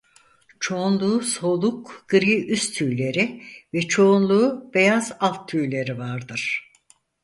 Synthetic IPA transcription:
t͡ʃʰo̞unlˠuːso̞lˠukɡ̥ɯɾiʔyst̪ʰyːlʲe̞ɾivɛt͡ʃʰo̞unlˠuːb̥e̞jazalˠt̪ʰːyjlʲe̞ɾivaɾd̪ɯɾ̥

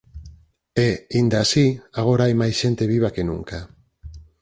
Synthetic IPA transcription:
eind̪asiaɣ̞o̞ɾajmajsʃe̞nt̪e̞βiβakenṵŋka

